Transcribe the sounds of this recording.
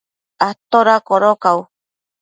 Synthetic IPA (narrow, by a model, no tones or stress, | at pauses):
at̪oɾakoɾokaw